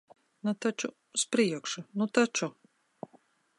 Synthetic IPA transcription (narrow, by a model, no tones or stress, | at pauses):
nut̪at͡ʃu | spɾiɛkʂunut̪at͡ʃu